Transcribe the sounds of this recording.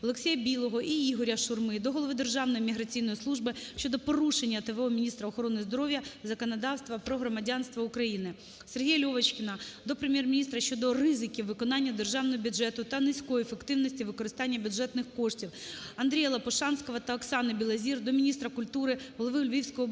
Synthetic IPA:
ɔlˠeksʲejɐbʲilˠɔɦɔʔiiɦɔɾʲɐʃʊrmɪd̪ɔɦɔlˠɔʋɪd̪erʒɑwnɔjimʲiɦɾɐt͡sʲijnɔjislˠuʒbɪʃʲt͡ʃɔd̪ɔpɔɾuʃenʲːɐt̪eʋɔɔmʲinʲist̪ɾɐɔxɔɾɔnɪzd̪ɔɾɔʋʲjɐzɐkɔnɐd̪ɑwst̪ʋɐpɾɔɦɾɔmɐdʲɑnst̪ʋɐʊkɾɐjinɪ | serɦʲijɐlʲɔʋɐt͡ʃkʲɪnɐd̪ɔpɾɪmʲjɛrmʲnʲist̪ɾɐʃʲt͡ʃɔd̪ɔrɪzɪkʲiwʋɪkɔnɑnʲːɐd̪erʒɑwnɔɦɔbʲʊdʒɛt̪ʊt̪ɐnɪsʲkɔjiefekt̪ɪwnɔsʲtʲiʋɪkɔɾɪst̪ɑnʲːɐbʲjʊdʒɛt̪nɪxkɔʂtʲiwɐnd̪ɾʲijɐlˠɐpɔʃɑnsʲkɔʋɐt̪ɐɔksɑnɐbʲilˠɐzʲird̪ɔmʲinʲist̪ɾɐkʊlʲt̪uɾɪɦɔlˠɔʋɪʊlʲʋʲiwsʲkɔɦɔ

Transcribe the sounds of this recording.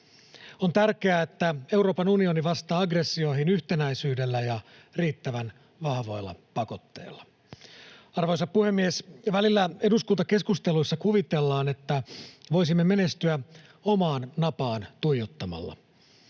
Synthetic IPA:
o̞nt̪ærk̟e̞æet̪ːæe̞uɾo̞ːpɑnunio̞niʋɑst̪ɑːɑɡresːio̞iɦinyçt̪e̞næisyːde̞lːæjɑriːt̪ːæʋæn | ʋɑhʋo̞jlːɑ̰pɑko̞t̪ːe̞̰ːlːɑ̥ | ɑrʋo̞jsɑppuhe̞mːiesʋælilːæe̞duskunt̪ɑke̞skust̪e̞lujsːɑkuʋit̪elːɑːne̞t̪ːæʋo̞js̬imːe̞me̞ne̞st̪yæ | o̞mɑːnːɑpɑːnt̪ujjot̪ːɑmɑ̰lːɑ̰

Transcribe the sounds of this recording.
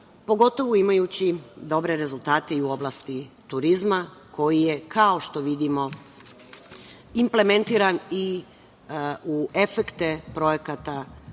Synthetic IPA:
po̞ɡo̞t̪o̞ʋoimajuːt͡ɕid̪o̞bɾe̞ɾe̞zulˠt̪aːt̪eiuo̞blˠast̪it̪uɾizmako̞jije̞kʰao̞ʃt̪o̞ʋid̪imo̞ | imple̞me̞nt̪iːɾani | ue̞fekt̪epɾo̞je̞kat̪a

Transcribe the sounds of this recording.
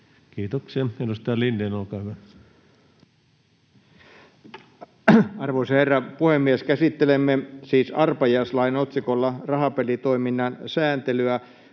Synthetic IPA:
kiːt̪okseenust̪ɑːlinːeːnolkɑːhyʋæ | ɑrʋoisɑherːɑpuhemːieskæsit̪ːelemːesiːsɑrpɑjɑslɑinot̪sikolːɑrɑɦɑpelit̪o̞iminːɑnsæːnt̪elyæ

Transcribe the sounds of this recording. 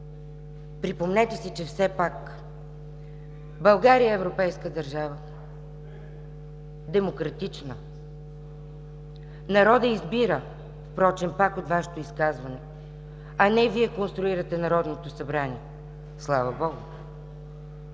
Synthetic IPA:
pɾipomnɛt̪ɛsit͡ʃɛfsɛpak | bɐlˠɡaɾijəɛvɾopɛjskəd̪ɐɾʒavə | d̪ɛmokɾɐt̪it͡ʃnə | nɐɾɔd̪əizbiɾə | fpɾɔt͡ʃɛmpakot̪vaʃɛ̥t̪oiskazvɐnɛ | ɐnɛviɛkonst̪ɾʊiɾət̪ɛnɐɾɔd̪not̪osɐbɾaniɛ | slˠavɐbɔɡʊ

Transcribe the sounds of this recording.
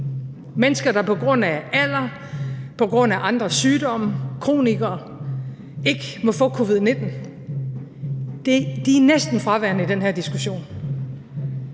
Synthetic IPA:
menəsɡ̥ɐɾ̥ɑ̈pʰɒ̽ɡ̥ʁɔ̽n̰ææl̰ɐ | pʰɒ̽ɡ̥ʁɔ̽n̰æʔɑ̈nd̥ʁɐsyːd̥ɒ̽m̰əkʰʁo̝̰ːniɡ̥ɐː | e̝ɡ̥əmɒ̽fɔ̰̽ːkʰo̝ʋið̞̰ˠne̝d̥n̩ | d̥ed̥iænesd̥n̩fʁɑ̈ʋæɐ̰nəid̥enɦeɐ̰d̥isɡ̥uɕo̝̰ːn

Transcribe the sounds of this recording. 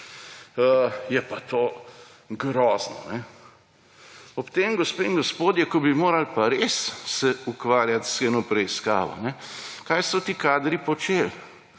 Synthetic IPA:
əjɛpat̪oː | ɡɾɔːznɔ̰nɛ | ɔpt̪eːmɡɔspeːinɡɔspoːd̪jɛkɔbimoːɾalpaɾessɛukʋaːɾjat̪sxeːnɔpɾɛiska̰ːʋɔ̰nɛkajsɔt̪iːkaːd̪ɾipɔt͡ʃeːl

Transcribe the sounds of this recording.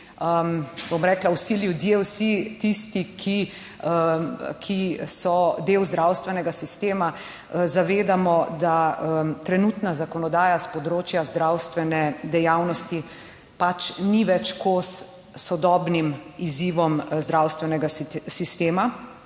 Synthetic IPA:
əmbomɾɛːklawsiljud̪jewsit̪ist̪ikʰi | əkʰisɔd̪eːwzd̪ɾawst̪ʋɛnɛɡasist̪eːma | zaʋeːd̪amɔd̪at̪ɾɛnut̪nazakɔnɔd̪aːjaspɔd̪ɾoːt͡ʃjazd̪ɾawst̪ʋɛnɛd̪ɛjawnɔst̪i | pat͡ʃniʋɛt͡ʃkos | sɔd̪ɔːbnimiziːʋɔmzd̪ɾawst̪ʋɛnɛɡasist̪eːma

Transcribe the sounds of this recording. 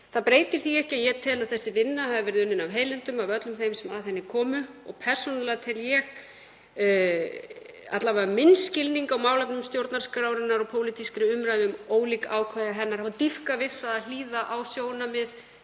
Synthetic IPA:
θaðpɾeːjt̪ɪɾ̥θiɛhcɪajɛt̪ʰɪːlaðθɛsːɪvɪnːaɦaðɪvɛɾɪðʏnːʏnawɦeːjlɪnt̪ʏmavœt̪lʏmθejmsɛmaðθɛnːɪkʰɔːmʏɔɣpʰɛr̥sɔnalɛɣat̪ʰɪljɛx | a̰t̪lavamɪnscɪlniŋkawmaːwlɛp̚nʏmst̪jowɾt̪naɾskɾaːwɾɪnːaɾɔɣpʰoːwlit̪ʰiskɾɪʏmɾajðʏmoːwliːkawkʰvaðɪɦɛnːaɾhavat̪ifkavɪð̥θaðal̥iːðaʔawsjoːwnamɪð

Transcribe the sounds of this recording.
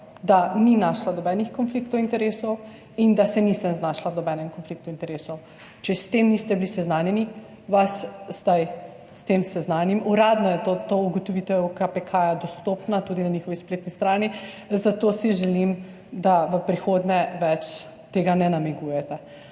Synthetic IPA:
d̪aninaʃlanɔbɛnixkɔnflikt̪ɔwint̪ɛɾeːsɔw | ind̪asɛnisəmznaʃlanɔbɛnɛmkɔnflik̚t̪uint̪ɛɾeːsɔw | t͡ʃɛst̪emnist̪ɛbilisɛznaːnjɛni | ʋaszd̪aj | st̪emsɛznanjimuɾaːd̪nɔjɛt̪ot̪ouɡɔt̪ɔʋit̪ɛwkapɛkʰajad̪ɔst̪opnat̪uːd̪inaɲixɔʋispleːt̪nist̪ɾaːni | zat̪oːsiʒɛlim | d̪aʋəpɾixod̪nɛʋɛt͡ʃ | t̪eːɡanɛnamiɡujɛt̪ɛ

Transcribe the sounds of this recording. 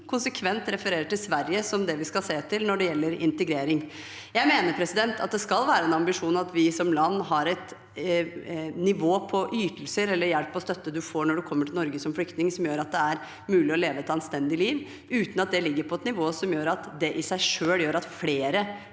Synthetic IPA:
kʰʊnsəkʰʋɛnt̪ɾɛfəɾeːɾəʈɪlsʋæɾjəsɔmd̪ɛʋɪskɑlseːt̪ʰɪlnɔɖɛjɛlːəɾɪ̰nt̪əɡɾeːɾɪŋ | jæɪmeːnəɾpʰɾɛsɪd̪ɛnt̪ʰɑt̪̚d̪ɛskɑlʋæːɾəɛnɑmbɪʂuːnɑt̪ʰʋɪsɔmlɑnːɦɑɾɛt̪ | nɪʋoːpʰɔʔyːt̪əlsəɾɛlːəɾjɛlpːɔst̪œt̪ːəd̪ʉfoːɳɔɖʉkʰɔmːəʈʰɪlnɔɾɡəsɔmflʏkt̪nɪŋsɔmjøːɾɑt̪̚d̪ɛæɾ | mʉːlɪɔleːʋəɛt̪ɑnst̪ɛnd̪ɪliːʋ | ʉːt̪n̩ɑt̪̚d̪ɛlɪɡːəɾpʰɔɛt̪nɪʋoːsɔmjøːɾɑt̪d̪ɛʔɪsæɪʂøːljøːɾɑt̪fleːɾə

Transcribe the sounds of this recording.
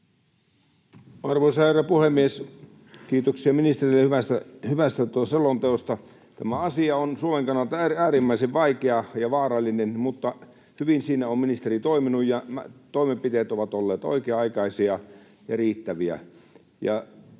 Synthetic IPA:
ɑrʋoisɑheræpuhemːies | kiːt̪oksiɑminist̪erilːehyʋæst̪æhyʋæst̪æt̪uselont̪eost̪ɑ | t̪æmæɑsiɑonsuomeŋkɑnːɑlt̪ɑææːrimːæiseʋʋɑikeɑjɑʋɑːrɑlːinenmut̪ːɑ | hyʋinsiːnæomminist̪erit̪oiminujjɑmæt̪oˑimempit̪eːt̪oʋɑt̪olːeːt̪o̰ikeɑɑikɑisiɑ | jɑriːt̪ːæʋiæ̰ | jɑ̰

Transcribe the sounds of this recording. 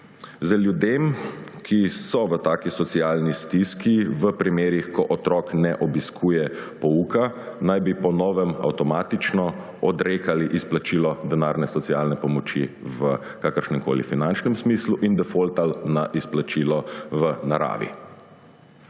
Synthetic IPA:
zəljud̪emkʰisɔʋət̪aːkisɔt̪siaːlnist̪iskiʋəpɾimeːɾixkɔʔɔt̪ɾɔːknɛʔɔbiskʰuːjɛpɔuːkanajbipɔnɔːʋɛma̰wt̪ɔmaːt̪it͡ʃnɔ | ɔd̪ɾeːkaliʔisplat͡ʃiːlɔd̪ɛnaːɾnɛsɔtsiaːlnɛpɔmɔt͡ʃi | ʋə | kaːkəɾʃnɛmko̰ːlḭfinant͡ʃnɛmsmisluʔind̪ɛfolt̪alnaʔisplat͡ʃiːlɔʋənaɾa̰ːʋḭ

